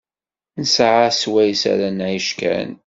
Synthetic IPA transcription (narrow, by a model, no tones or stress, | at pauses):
nəsʕaswæjsæ̰ɾænʕəʃkæ̰n